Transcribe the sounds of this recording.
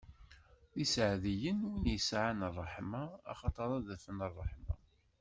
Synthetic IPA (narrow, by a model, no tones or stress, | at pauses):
isʕðijənwinjəsʕanərˤːəħmaɑ̰χɑt̪ˤɑɾˤɑðæfənərˤːəħma̰